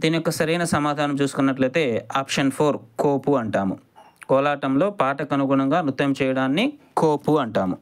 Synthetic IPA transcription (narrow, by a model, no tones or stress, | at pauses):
d̪iːnijɔkːɐsɐɾɐjnɐsɐmaːd̪ʱaːnɐmt͡ʃuːsu̥kunːɐʈlɐjt̪e̞ːaːpʂɐnpʰoːɾkoːpuɐɳʈaːmṵ | kɔːlaːʈɐmlo̞ːpaːʈɐkɐnuɡɳɐŋɡaːnut̪ːɐmt͡ʃɛːjɐɽaːnːikoːpuɐɳʈaːmu